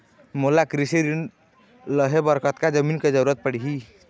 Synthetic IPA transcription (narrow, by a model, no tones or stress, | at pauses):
molakɾisiɾin | ləɦebəɾkət̪kad͡ʒəminked͡ʒəɾuɾət̪̚pəɽiɦi